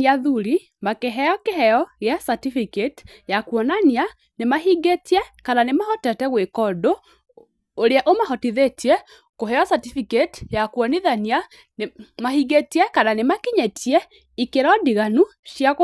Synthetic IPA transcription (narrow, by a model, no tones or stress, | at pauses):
iaðuɾi | makeɦɛjɔkeɦɛjɔɣɛsatifiket | jakwɔnania | nemaɦiɡetiɛkananemahɔtɛtɛɣwekɔdoː | ɾeaʔomaɦɔtiðetʰiɛ | koɦɛjɔsatifiketi̥jakwɔniðania | mahiɡetiɛkananemakiɲɛtʰiɛ | ikeɾɔdiɣanu | ʃja